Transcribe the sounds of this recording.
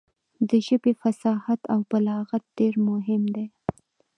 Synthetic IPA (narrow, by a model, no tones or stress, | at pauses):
d̪əʒəbefasɑhat̪awbalɑɣat̪̚ɖeɾmʊɦɪmd̪e